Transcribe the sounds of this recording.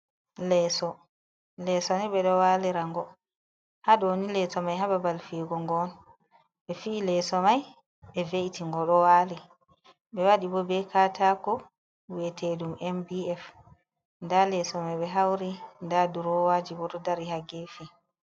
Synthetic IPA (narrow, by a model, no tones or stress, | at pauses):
lɛsɔ | lɛsɔnɛɓɛɗɔwalɛɾaŋɡɔ | haɗɔnilɛsɔmajɦababalfiɡɔŋɡɔn | ɓɛfiːlɛsɔmaj | ɓɛvejtiŋɡɔɗɔwaːlɛ | ɓɛwaɗibɔbɛkatakɔ | wetedumʔɛmbiɛf | ndalɛsɔmajɓɛɦawɾindaduɾɔwad͡ʒibɔtɔdaɾihaɡefi